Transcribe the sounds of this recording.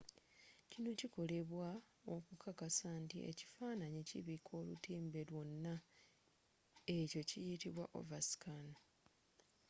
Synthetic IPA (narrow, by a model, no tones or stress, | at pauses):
cino̞ciko̞le̞βwa | okukʰakasaːntiʔe̞̰ci̥faːnaɲeciβikʰo̞ːlutiːmbe̞lwo̞nːa | e̞co̞cijitiβwa̰ʔo̞̰vasi̥kano